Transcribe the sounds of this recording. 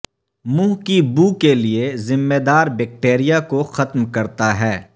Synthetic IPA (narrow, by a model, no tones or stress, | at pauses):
mũːɦkibuːkeliezɪmːed̪aːɾbɛːk̚ʈeːɾijakoxɐt̪mkɐɾt̪aɦɛː